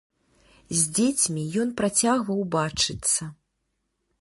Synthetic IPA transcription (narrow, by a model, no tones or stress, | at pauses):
zʲd͡zʲet͡sʲmʲijɔnpɾat͡sʲaɣvɐwbat͡ʂɨt̪sːɐ